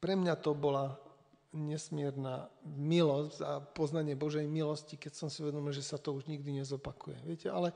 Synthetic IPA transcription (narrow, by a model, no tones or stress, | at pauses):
pɾɛmɲat̪ɔbɔla | ɲɛsmɪɛɾnamilɔzɟzapɔznaɲɪɛbɔʒɛjmilɔscikɛcsɔmsiuʋɛd̪ɔmilʒɛsat̪ɔuʒɲiɡd̪iɲɛzɔpakujɛ̰ʋɪɛcɛʔalɛ